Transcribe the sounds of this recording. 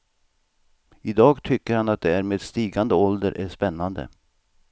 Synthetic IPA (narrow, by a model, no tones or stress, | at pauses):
ɪd̪ɑːɡt̪ʰʏkːəɾhanat̪̚d̪ɛæɾmeːd̪st̪iːɡand̪əɔld̪əɾʔæʂpɛnːand̪ə̰